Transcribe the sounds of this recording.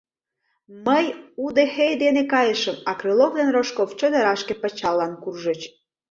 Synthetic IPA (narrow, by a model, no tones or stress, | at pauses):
məjud̪exejd̪enekɑjəʃəmɑkɾelovd̪enroʃkoft͡ɕəd̪əɾɑʃkepət͡ɕɑlːɑnkurʒət͡ɕ